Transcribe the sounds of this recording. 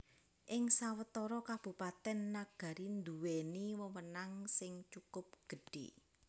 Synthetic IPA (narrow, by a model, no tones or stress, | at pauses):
ʔɪŋsawət̪ɔɾɔkab̥ṳpat̪ɛnːaɡ̥a̤ɾind̪uweniwəwənaŋsɪŋt͡ʃukʊp̚ɡ̥ə̤ɖ̥ḛ